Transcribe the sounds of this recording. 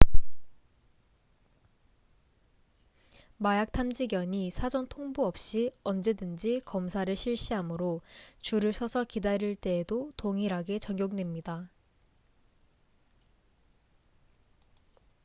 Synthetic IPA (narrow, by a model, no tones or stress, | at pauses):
majak̚tʰamd͡ʑiɡjʌɲisʰad͡ʑʌŋtʰoŋbuʌp̚ɕ͈iʌnd͡ʑe̞dɯnd͡ʑikʌmsʰaɾɯɭɕʰiɭɕ͈iɦamɯɾot͡ɕuɾɯɭsʰʌsʰʌkidaɾiɭt͈e̞ːdotoŋiɾɦaɡe̞t͡ɕʌŋɡjoŋnwe̞mɲida